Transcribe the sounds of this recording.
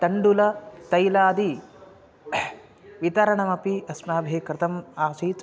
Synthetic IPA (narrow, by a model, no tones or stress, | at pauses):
t̪ɐɳɖulɐt̪ɐjlaːd̪i | ʋit̪ɐɾɐɳɐmɐpiɐsmaːbʱeːkɾɪt̪ʰɐmaːʃiːt͡s